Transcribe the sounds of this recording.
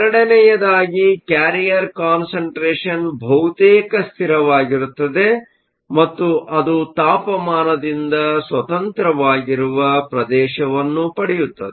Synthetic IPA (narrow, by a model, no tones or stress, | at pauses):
ɾɐɽɐnɛjɐd̪aːɡikaːɾijɐɾkaːnsɐɳʈɾeːʂɐnbʱɐwt̪eːkɐst̪ʰiɾɐʋaːɡiɾut̪ːɐd̪e̞ | mɐt̪ːuʔɐd̪ut̪aːpɐmaːnɐd̪ind̪ɐsʋɐt̪ɐnt̪ɾɐʋaːɡiɾuʋɐpɾɐd̪ɛːʃɐʋɐnːupɐɽɛjut̪ːɐd̪e